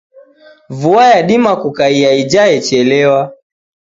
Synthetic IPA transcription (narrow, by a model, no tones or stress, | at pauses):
vuajaɗimakukaiaid͡ʒaɛt͡ʃɛlɛwa